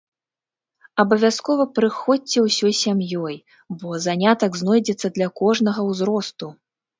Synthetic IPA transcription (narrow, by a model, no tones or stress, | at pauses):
ɐbɐvʲaskɔvɐpɾɨxɔt͡sʲːɛwsʲɔjsʲamjɔj | bɔzanʲat̪ɐɡznɔjd͡zʲɛt̪sːɐd̪lʲɐkɔʐnɐɣɐwzɾɔst̪u